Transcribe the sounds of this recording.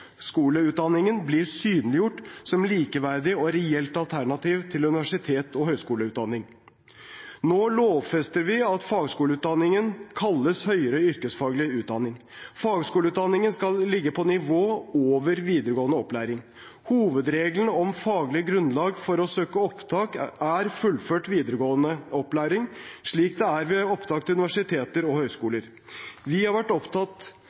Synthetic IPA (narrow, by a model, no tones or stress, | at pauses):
skuːləʉːt̪̚d̪ɑnːɪŋənblɪɾsyːnlɪjʊʈːsɔmliːkəʋæɾd̪ɪɔɾɛɛlt̪ɑlt̪ʰæɳɑt̪iːʋt̪ʰɪlʉnɪʋæʂɪt̪ʰeːt̪ʰɔhœʏskuːləʉːt̪̚d̪ɑnːɪŋ | noːloːʋfɛst̪əɾʋɪɑt̪fɑːɡskuːləʉːt̪̚d̪ɑnːɪŋənkʰɑlːəshœʏəɾɔʏɾkəsfɑːɡlɪʉːt̪̚d̪ɑnːɪŋfɑːɡskuːləʉːt̪d̪ɑnːɪŋənskɑlːɪɡːəpʰɔnɪʋoːoːʋəɾʋiːd̪əɾəɡoːənəɔplæːɾɪŋ | huːʋəd̪ɾeːɡlnɔmfɑːɡlɪəɡɾʉnlɑːɡfɔɾɔsøːkəɔpt̪ʰɑːkæɾfʉlːføːʈʋiːd̪əɾəɡoːənəɔplæːɾɪŋʂɭiːkd̪ɛæɾʋɛɔpt̪ʰɑːk̚t̪ʰʉnɪʋæʂɪt̪ʰeːt̪əɾɔhœʏskuːləɾ | ʋɪhɑɾʋæʈːɔpt̪ʰɑt̪ː